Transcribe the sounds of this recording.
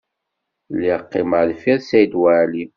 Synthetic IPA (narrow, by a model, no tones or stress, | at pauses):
lːiəqːɪməlfiðsæjd̪wæʕli